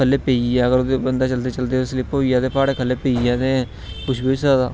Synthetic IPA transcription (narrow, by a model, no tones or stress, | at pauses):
əlːeːpeːiɛːəɡəɾoːd̪eːbənd̪aːt͡ʃəlt̪eːt͡ʃəld̪eːɪsliːpoijaːd̪eːpaːɽeːkʰəlːeːpeːiɛːd̪e | pʊʃʰbiosad̪a̰ː